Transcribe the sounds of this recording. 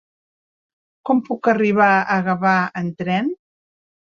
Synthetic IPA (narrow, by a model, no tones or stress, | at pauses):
kɔmpukəriβ̞aəɣəβaənt̪ɾɛn